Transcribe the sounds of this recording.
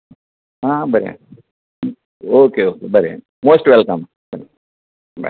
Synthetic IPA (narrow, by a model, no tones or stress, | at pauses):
ɦãːbɐɾeja̰ | okeoːkebɐɾea̰ | moːsʈʋɛlkɐ̃m | bɐɾ | bɐ̰